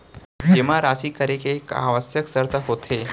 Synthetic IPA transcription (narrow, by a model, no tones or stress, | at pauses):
d͡ʒeʋ̤aɾasiːkəɾekeka̰ʋəsjəksəɾt̪əɦot̪ʰe